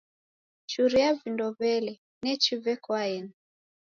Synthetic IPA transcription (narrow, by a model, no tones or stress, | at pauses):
t͡ʃuɾiavindɔβɛlɛ | nɛt͡ʃivɛkwaɛni